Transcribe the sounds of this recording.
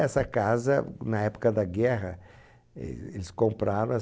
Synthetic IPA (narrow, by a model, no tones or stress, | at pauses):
ɛsɐkazɐnɐɛpo̥kɐd̪ɐɡɛɦɐ | ɛ̰elɪskõmpɾaɾõ